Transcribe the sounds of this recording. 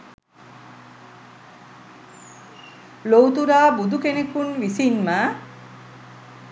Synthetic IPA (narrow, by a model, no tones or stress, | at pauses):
lowt̪uɾaːbud̪ukenekunʋisinma